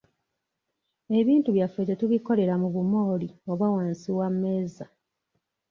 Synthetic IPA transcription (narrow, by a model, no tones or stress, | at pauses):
e̞βiːntuβjafetetuβiko̞le̞ɾamuβumo̞ːlio̞βawaːnsiwamːe̞ːza